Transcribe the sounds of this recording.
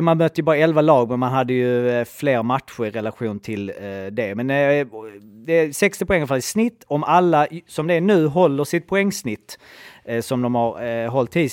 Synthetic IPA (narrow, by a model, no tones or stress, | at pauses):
manbœt̪ːəjɵbɑːɾaɛlvalɑːɡmɛnmanɦad̪ːəjɵfleːɾmat̪ɧʊɾɪɾɛlaɧuːnt̪ʰɪld̪ɛmɛn | d̪ɛsɛkst̪ɪpʰʊɛŋːəɾfalɪsnɪt̪ːɔmalːasɔmd̪ɛæɳʉ̟ːɦɔlːəʂɪt̪̚pʰʊɛŋːsnɪt̪ːsɔmd̪ɔmhaɾɦɔlt̪ʰːiː